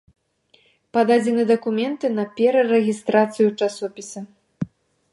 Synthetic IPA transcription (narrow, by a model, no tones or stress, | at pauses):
pad̪ad͡zʲɛnɨd̪ɐkumʲɛnt̪ɨnɐpʲɛɾɐrɛɣʲist̪ɾat̪sɨjut͡ʂasɔpʲisɐ